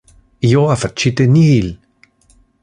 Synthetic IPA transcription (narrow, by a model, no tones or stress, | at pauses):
ijoafat͡ʃit̪enihil